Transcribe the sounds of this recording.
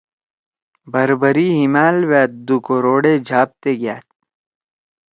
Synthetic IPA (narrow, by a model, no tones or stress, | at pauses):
bɐɾbəɾiːɦimaːlwɛːt̪̚d̪ukoɾoːɽeːd͡ʒʱaːp̚t̪eːɡjaːt̪̚